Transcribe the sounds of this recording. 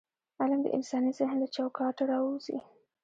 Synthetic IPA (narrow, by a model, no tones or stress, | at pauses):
alamd̪ə̰ʔɪ̰nsɑnisɪhnlat͡ʃawkɑʈaɾɑwuz̥ḭ